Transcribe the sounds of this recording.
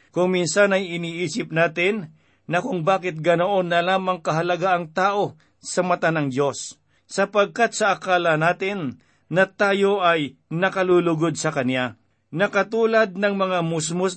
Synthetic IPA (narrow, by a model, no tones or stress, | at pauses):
kʊŋminsanɐjɪniːʔiːsɪp̚naːt̪ɪnː | ɐkʊŋbaːkɪt̪̚ɡɐnoʔonːɐlaːmɐŋkɐɦɐlɐɡaʔɐŋt̪aːʔo̞ | sɐmɐt̪anɐŋd̪jo̞sː | ɐpɐɡ̚kat̪̚sɐʔɐkaːlɐnaːt̪ɪnː | ɐt̪aːjo̞ʔɐj | nɐkɐluːlʊɡod̪̚sɐkɐnja | nɐkɐt̪uːlɐd̪̚nɐŋmɐŋamʊs̬mʊs